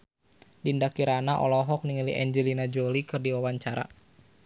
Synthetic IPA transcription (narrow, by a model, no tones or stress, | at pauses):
dindakiɾanaʔɔ̰lɔɦɔk̚niŋəlḭɛɲd͡ʒɛlinad͡ʒolikɨrdiwawaɲt͡ʃaɾa̰